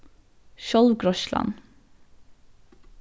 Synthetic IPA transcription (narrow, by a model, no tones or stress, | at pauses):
ʃɔlʋɡɾɔʃlɑ̰n